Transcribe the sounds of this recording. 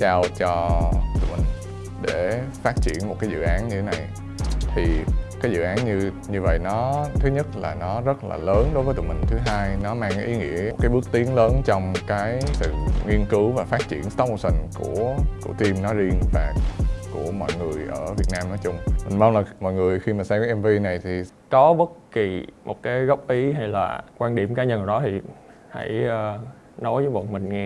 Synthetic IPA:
t͡ɕaː˧wt͡ɕɔ˧t̪ṵ˧˩əmï˨˩ŋ̟ | ɗe˧˩faː˦˥t̚t͡ɕḭ˧˩˨ənmo˨˩t̚kaː˨˦zɨ̰˧˨ʔaː˨˦nɲɨ˧e˨˦na˨˩j | t̪ʰi˨˩kaː˨˦jzɨ̰˧˨ʔaː˨˦nɲɨ˧ | ɲɨ˧və̰˧˨jnɔ˨˦t̪ʰɨ˨˦ɲə˦˥t̚la̰ː˨˩nɔ˨˦zə˦˥t̚la̰ː˨˩ləː˨˦nɗo˨˦jvəː˨˦t̪ṵ˨˧˩mï˨˩ŋ̟t̪ʰɨ˨˦ɦaː˧jnɔ˨˦maː˧ŋkaː˨˦jʔi˨˦ŋḭ˧˥ə˩tkaː˨˦jɓɨ˦˥ək̚t̪i˨˦əŋləː˨˦nt͡ɕɔ˧wŋ͡mkaː˨˦jsɨ̰˧˨ŋi˧ənkɨ˨˦wvaː˨˩faː˦˥t̚t͡ɕḭ˧˨ənsa˨˦wmo˧˩sï˨˩ŋku˧˩əkṵ˧˩ət̪i˧mnɔ˨˦zi˧ənvaː˨˩ku˧˩əmɔ̰˧˨jŋɨ˨˩əjʔəː˧˩vi˨˩ət̚naː˧mnɔ˨˦jt͡ɕʊ˧ŋ͡mmï˨˩ŋma˧nlaː˨˩mɔ̰˧˨jŋɨ˨˩əjxi˧maː˨˩sa˧mkaː˨˦ʔɛ˧mvi˧na˨˩jt̪ʰi˨˩ | kɔ˨˦ɓə˦˥t̚ki˨˩mo˨˩t̚kaː˨˦jɣə˦˥wk͡p̚ʔi˨˦ɦa˧jla̰ː˨˩kwaː˧nɗḭ˧˩əmkaː˨˦ɲə˧˩n˨˩ɗɔ˨˦t̪ʰi˨˩ | ha̰˧˩jʔəː˧ | nɔ˨˦jvəː˨˦jvə̰˧˨nmï˨˩ŋ̟ŋɛ˧

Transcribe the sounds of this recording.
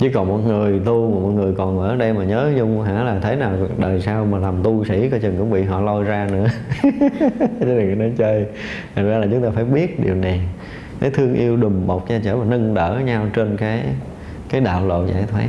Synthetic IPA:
t͡ɕi˧˩kɔ˨˩nmɔ˨˩t̚ŋɨ˨˩əjt̪u˧mː˨˩mɔ̰˨˩t̚ŋɨ˨˩əjkɔ˨˩nʔəː˧˩˦ɗə˧jmaː˨˩ɲəː˨˦ɲʊ˧ŋ͡mɦa̰ː˧˥laː˨˩t̪ʰe˨˦jnaː˨˩wɗəː˨˩jsaː˧wmaː˨˩la˨˩mt̪u˧sḭ˧˥kɔː˨˧˦t͡ɕə˨˩ŋkʊ̰˧˥ŋ͡mɓḭ˧˨ɦɔ̰˧˨lɔ˧jzaː˧nɨ̰˧˥ə | t͡ɕə˨˦nə˨˩ŋə˨˩nɔ˨˦t͡ɕəː˧j | t̪ʰa˨˩ŋzaː˧laː˨˩t͡ɕʊ˨˦ŋ͡mt̪aː˧faː˧˩jɓi˦˥ət̚ɗi˨˩əwna˨˩j | kaː˨˦jt̪ʰɨ˧əŋʔi˧əwɗʊ˨˩ŋ͡mɓə˨˩k͡p̚zaː˧t͡ɕəː˧˩vaː˨˩nə˧ŋɗəː˧˩ɲa˧wt͡ɕe˧nkaː˨˦j | kaː˨˦jɗa̰ː˧˨wlo̰˧˨za̰ː˧˩˨jt̪ʰwaː˨˦˥

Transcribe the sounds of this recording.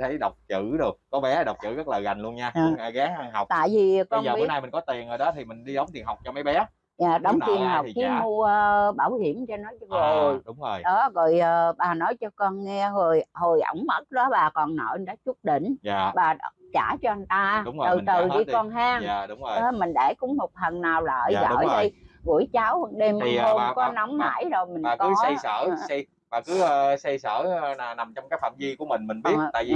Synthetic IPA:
t̪ʰə˨˦jɗə˨˩wk͡p̚t͡ɕɨ̰˧˨˩ɗɨ˨˩ə˩k̚kɔ˨˦ɓɛ˨˦˨ɗə˨˩wk͡p̚t͡ɕɨ̰˧˩ɣə˦˥t̚ləː˨˩jɣa˨˩jŋlu˧ənɲaː˧˨˧a˧˩ɣaː˨˦ŋʔa˧ŋɦa˨˩wk͡p̚t̪a̰ː˧˨jvi˨˩˨kɔ˧n˨ɓi˦˨˦naː˧jmï˨˩ŋ̟kɔ˨˦t̪i˨˩ənʔəː˨˩jɗɔ˨˦t̪ʰi˨˩mï˨˩ŋɗi˧ɗə˨˦wŋ͡mt̪i˨ənɦa˨˩wk͡p̚t͡ɕɔ˧ma˨˦jɓɛ˨˦ | ɲaː˨˩ɗə˨˦wŋ͡mt̪ʰi˨˩ənha˨˩wk͡p̚t͡ɕi˨˦mu˧əː˧ɓaː˧˩whi˧˩əmt͡ɕɔ˧nɔ˨˦jt͡ɕɔ˧zo˨˩jɗʊ˨˦ŋ͡mo˨˩jɗɔ˨˦zɔ̰˧˨jʔəː˨˩ɓaː˨˩nɔ˨˦jt͡ɕɔ˧kɔ˧nŋɛ˧zo˨˩jho˨˩jʔə̰˧˩wŋ͡mmə˦˥t̚ɗɔ˨˦ɓaː˨˩kɔ˨˩nːə̰˧˨˩nɗa˨˦t͡ɕu˦˥t̚ɗḭ˧˨ŋ̟ː˩ɓaː˨˩˧t͡ɕaː˧˩t͡ɕɔ˧ʔə˧ŋ̟t̪aː˧˨˦t̪ɨ˨˩t̪ɨ˨˩ɗi˧kɔ˧nɦaː˧ŋː˨˦˨mï˨˩ŋ̟ɗe˧˩kʊ̰˧˥ŋ͡mmo˨˩t̚hə˨˩nnaː˨˩wla̰ː˧˨˦ɣə̰˦˧˥jɗə˧jɣṵ˧˥əjt͡ɕa˨˦wɗe˧m˨ŋho˧mkɔ˨˦na˨˦wŋ͡mha̰ː˧˥jzo˨˩jmi˨˩˨kɨ˨˦a˧jsəː˧˩sj | ɓaː˨˩kɨ˨˦˧sa˧jsə̰ː˧˩naː˨˩wna˨˩mt͡ɕɔ˧wŋ͡mkaː˨˥jfa̰ː˧˩mzi˧ku˧˩əmï˨˩ŋmï˨˩ŋɓi˦˥˨ta̰ː˧˨ji˧

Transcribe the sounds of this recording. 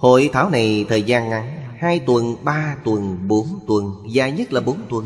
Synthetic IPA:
ho̰˧˨jt̪ʰaː˨˦wna˨˩jt̪ʰəː˨˩jzaː˧nʔa˨˦nhaː˧jt̪wə˨˩nɓaː˧t̪wə˨˩nɓo˨˦nt̪wə˨˩nzaː˨˩ɲə˦˥t̚laː˨˩ɓo˨˦nt̪wə˨˩n

